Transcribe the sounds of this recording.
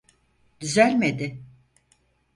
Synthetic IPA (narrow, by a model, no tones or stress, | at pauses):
d̪yzælʲmed̪ɪ